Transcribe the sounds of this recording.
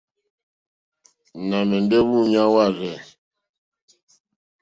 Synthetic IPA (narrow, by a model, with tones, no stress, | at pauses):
na˨mɛ˨ndɛ˦βu˦˨ɲa˦wa˦˨ɾɛ˨